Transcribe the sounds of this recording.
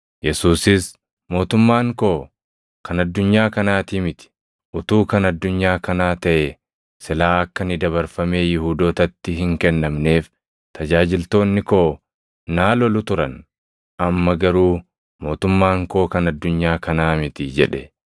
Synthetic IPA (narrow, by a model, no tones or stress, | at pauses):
jɛsuːsɪs | mo̞ːt̪ʊmːaːŋko̞ː | kɐnɐd̪ːʊɲːaːkɐnaːt̪iːmɪt̪ɪ̥ | ʔʊt̪uːkɐnɐd̪ːʊɲːaːkɐnaːt̪ɐʔɛ | sɪlaːɐkːɐnɪd̪ɐβɐɾfɐme̞ːjɪhuːd̪oːt̪ɐt̪ːɪɦɪŋkɛnːɐmne̞ːf | t̪ɐd͡ʒaːd͡ʒɪlt̪o̞ːnːɪko̞ː | naːlɔlʊt̪ʊɾɐn | ʔɐmːɐɡɐɾuː | mo̞ːt̪ʊmːaːŋko̞ːkɐnɐd̪ːʊɲːaːkɐnaːmɪt̪ɪd͡ʒɛ̰ᶑɛ